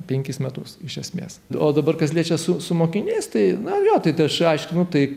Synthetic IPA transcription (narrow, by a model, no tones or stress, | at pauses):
pʲɛŋʲkʲɪsmʲɛt̪ʊsɪʃʲɛsʲmʲḛːsoːd̪ɐbɐrkɐslʲiɛːt͡ʃʲɛsʊsʊmoːkʲɪnʲeɪst̪ɐɪnʊɐʒʲoːt̪ɐɪt̪ɐʃɐɪʃʲkʲɪnʊt̪ɐɪ